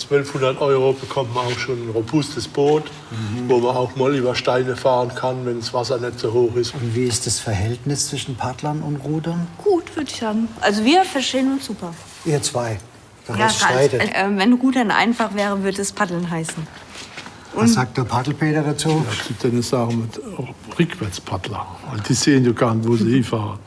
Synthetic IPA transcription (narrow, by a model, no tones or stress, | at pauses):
t͡sv̥œlfhʊndɐtʔɔʏʁobəkʰɔmtmanaʊxʃoːnnʁoːbʊstəsb̥oːt | voːmanaʊxmɔlyːbɐʃtaɪnəfaːʁənkʰanvɛnsv̥asɐnɛtz̥oːhoːxɪstʊntviːɪstd̥asfɛɐhɛltnɪst͡sv̥ɪʃn̩pʰadlɐnʊntʁuːdɐnɡ̥uːtv̥ʏɐdɪçhaːbm̩ʔalzoviːɐfɛɐʃteːənʊnsz̥uːpɐ | iːɐt͡sv̥aɪ | d̥ɐjaːaɪtəʔɛːvɛnʁuːdɐnʔa̰ɪnfaχv̥ɛːʁəvʏɐdɛspʰadl̩nɦaɪsn̩ | ʔʊanz̥aːk̚td̥ɐpʰadl̩pʰeːdɐdat͡suːsɡ̥ɪp̚d̥ɛnəsaːχəmɪtʁʏkʰv̥ɛɐt͡spʰadlɐ̰vaɪld̥iːseːənjoːɡ̥aːntvoːzihiːfaːʁə